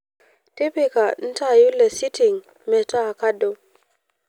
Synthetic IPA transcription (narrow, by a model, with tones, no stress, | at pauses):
ti˦pe˦ka˨n̩˦ta˦˨ju˦lːe˨si˦ti˨ŋ | mɛ˨ta˦a˨ka˦do˨